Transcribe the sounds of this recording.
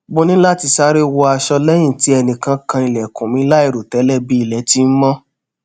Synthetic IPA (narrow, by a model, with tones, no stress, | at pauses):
bo˦nĩ˦la˦ti˧sa˦ɾe˦wo˧a˧ʃɔ˧lɛ˦j̃ĩ˦˨ti˨˦ɛ˧nĩ˨kã˧kã˧i˧lɛ˨kũ˨mĩ˨˧˦la˦i˦˨ɾo˨tɛ˨˦lɛ˦˨bi˦i˦˨lɛ˨˦ti˦n̩˦mɔ̃˦